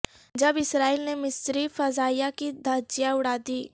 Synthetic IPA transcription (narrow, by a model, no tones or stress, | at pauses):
d͡ʒɐbɪsɾaːiːlnemɪsɾifɐzaːijakid̪ʱaːd͡ʒijãʊɽaːd̪iː